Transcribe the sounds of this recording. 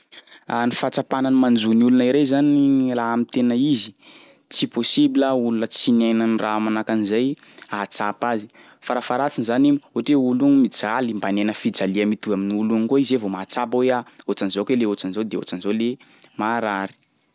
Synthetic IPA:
anifat͡sapananimand͡zuniulunaiɾezanilaamit̪enəizi̥ | t͡siposibiləulunət͡sinajnanramanakanizaj | at͡sapazi̥ | faɾafaɾat͡sinzanimoʈ͡ʂeuluŋimid͡zalimbanenəfid͡zaliamit̪uaminiuluŋikoizevomat͡sapaweaot͡sanzokeleot͡sanzod̪eo̰t͡sanzole | maɾaɾi̥

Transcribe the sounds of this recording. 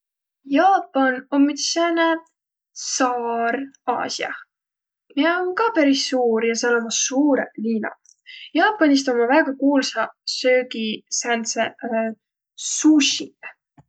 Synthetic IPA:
jɑːpˑːɑnommit̪sene | sɑːɾɑ̰ːsjɑ̰ | mieonkɑpæɾisːuːɾjɑselolmɑsuːɾḛliːnɑ̰ | jɑːpːˑɑnis̬t̪omɑvæɡ̥ɑkuːlsɑsøːɡisænse | suɕi

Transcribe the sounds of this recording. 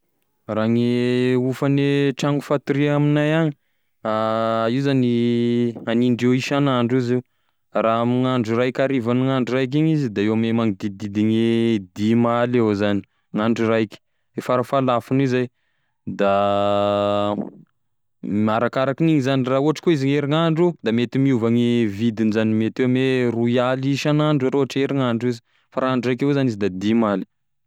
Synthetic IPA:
raŋeufaneʈ͡ʂaŋɡufat̪uɾiaminajaɲi | aiwzani | aniɳɖ͡ʐewiʃanaɳɖ͡ʐiziw | raamiŋaɳɖ͡ʐurajkʲaɾivanuŋaɳɖ͡ʐurajk̬iɲizid̪aewamemaŋid̪id̪id̪iŋed̪imalewzani̥ | ŋaɳɖ͡ʐurajki̥ | efaɾafalafunizaj | d̪a | maɾakaɾakiniŋizanirauɦaʈ͡ʂḁkoiziŋeɾiŋaɳɖ͡ʐud̪amet̪imiuvaŋivid̪inizanimet̪ewmeruialiʃanaɳɖ͡ʐaɾoaʈ͡ʂeɾiŋaɳɖ͡ʐizi̥ | faɾaaɳɖ͡ʐuɾajkewzanizid̪ad̪imali̥

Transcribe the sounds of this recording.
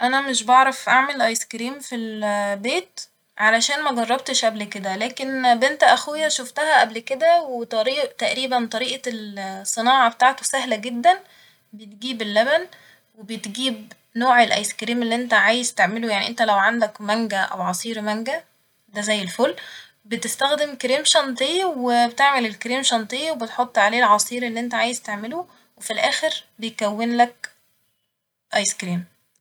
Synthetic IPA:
ʔænæmeʃbɑʕɾˤɑfʔaʕmelʔɑjskɾiːmfilbeːt̪ | ʕalæʃæːnmæɡɑrˤːɑbt̪eʃʔæblked̪ælæːkenbent̪æʔæxujːæʃoft̪æhæʔæblked̪æwet̪ˤɑɾiːʔt̪æʔɾiːbænt̪ˤɑɾiːʔɑlsˤːɨnɑːʕɑbet̪aːʕt̪osæɦlæɡed̪ːæn | bejt̪̚ɡiːbelːæbæn | webet̪ɡiːb | noːʕelʔɑ̰jskɾiːmelːiʔent̪æʕaːjezt̪eʕmelojaʕnḭʔent̪ælæwʕand̪ækmæŋɡæʔæ̰wʕɑsˤiːɾmæŋɡæ | d̪æzæjːelfolː | bet̪est̪æxd̪emkɾiːmʃɑnt̪ˤejwebet̪eʕmelelkɾiːmʃɑnt̪ˤejːwebet̪ħot̪ˤːʕaleːlʕɑsˤiːɾelːiːʔent̪æʕaːjezt̪eʕmelo | wefilʔæːxeɾbejkæwːenlæk̚ | ʔɑjskɾiːm

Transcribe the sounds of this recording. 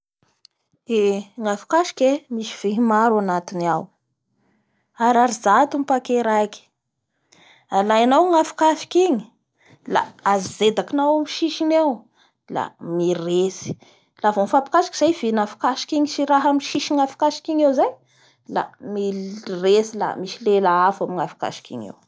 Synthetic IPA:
eŋafi̥kaʃi̥kʲemisi̥v̥eɦimaɾanat̪inaw | aɾaɾizat̪umipakeɾajki̥ | alajanawŋafi̥kafi̥kiŋi̥ | la̰azized̪akinawamiʃiʃinew | la̰miresi̥ | lavomfapi̥kaʃi̥ki̥z̥ajv̥inafi̥kaʃi̥kiŋisiɾaɦamiʃiʃiŋafi̥kaʃi̥kiŋewzaj | la̰miresila̰misilelaafamiŋafi̥ka̰ʃi̥kḭŋḛw

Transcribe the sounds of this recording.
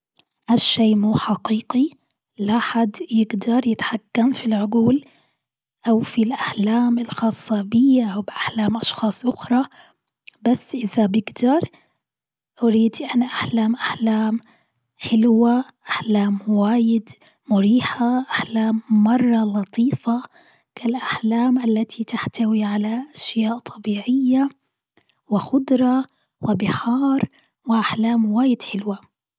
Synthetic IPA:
ʔaʃːeːmuːħaqiːqi | laħad̪ːjɪɡd̪ɑɾˤjɪt̪ħakːamfilʕʊɡuːl | ʔawfilʔaħlaːmɪlxɑːsˤːɑbɪjːaʔawbʔaħlaːmʔɑʃxɑːsˤʔʊxɾˤɑ | basːʔɪðabɪɡd̪ɑɾˤ | ʔʊɾiːd̪ʔanaʔaħlaːmʔaħlaːm | ħɪlwaʔaħlaːmwaːjɪd̪ | mʊɾiːħaʔaħlaːmːɑrˤːɑlɑt̪ˤʰiːfa | kʰalʔaħlaːmʔalːat̪ʰit̪aħt̪awiʕalaʔaʃjaːʔt̪ˤʰɑbiːʕɪjːa | wɪxʊd̪ɾˤɑ | wɪbɪħɑːɾˤ | wɪʔaħlaːmwaːjɪd̪ħɪlwa

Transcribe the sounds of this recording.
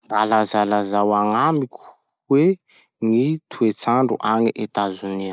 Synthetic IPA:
nd̪alazalazawaŋamikʲu̥ | we | ŋit̪ʰuet͡saɳɖ͡ʐuʔaŋiʔet̪azunia

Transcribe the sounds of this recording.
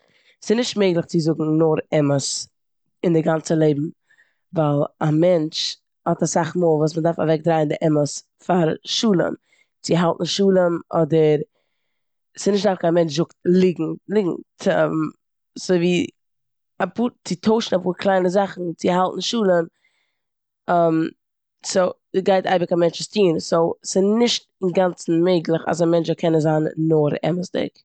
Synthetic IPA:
sɪnɪʃtmeɪɡlˠɪχt͡sɪzʊɡŋ̩nʊɾɛməs | ɪndɪɡant͡səlˠeɪbm̩ | valˠamɛnt͡ʃ | hɔtasaχmoːlˠvuːs̬məndaɾfa̰vɛk̚dɾaɪndɪʔɛməs | faɾʃuːlˠə̰m | t͡sɪɦalˠtn̩ʃuːlˠəmʔɔdəɾ | sɪnɪʃtdaɾfkʰanmɛnt͡ʃzʊkt̚lˠɪɡŋ̩lˠɪɡŋ̩ʰəm | soɪviː | apuːɾt͡sɪtʰoʊʃn̩apuːɾkʰlˠaɪnəzaχn̩t͡sɪɦalˠtn̩ʃuːlˠəm | am | soʊ | sɡaɪta̰ɪbəkamɛnt͡ʃɪstiːnsoʊsɪnɪʃtɪnɡant͡sn̩meɪɡlˠəχa̰samɛnt͡ʃkʰɛnəzaːnːʊɾɛ̰məsdɪ̰k

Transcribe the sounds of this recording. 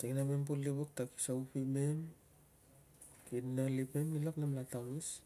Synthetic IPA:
siŋnamempulːiβok̚taki̥saupimem | kinalipemilaknamlatawmis

